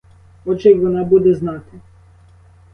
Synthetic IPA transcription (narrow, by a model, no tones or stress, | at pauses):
ɔt͡ʃeʋɔnɑbud̪ɛznɑt̪e